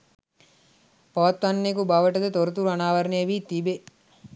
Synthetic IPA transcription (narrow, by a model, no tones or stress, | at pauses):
pɔʋɐt̪ʋɐnːekubɐʋɐʈɐd̪et̪oɾɐt̪uɾɐnaːʋɐɾɐnejɐʋiːt̪ibe